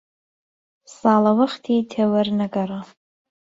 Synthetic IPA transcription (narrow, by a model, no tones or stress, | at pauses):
salawaχtʰitʰawarnaɡʼara